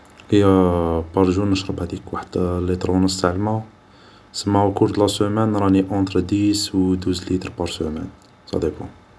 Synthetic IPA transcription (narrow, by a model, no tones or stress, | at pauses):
həjːæbɑɾˤʒunːəʃɾˤəbhæd̪ikwaħəd̪̥lit̪ɾunəst̪aʕlma | səmːækuɾt̪lɑsumænɾˤɑniʔɑ̃t̪ɾd̪iswd̪uzlit̪ɾpɑɾˤsumæ̰n | sɑ̰d̪ebɑ̰̃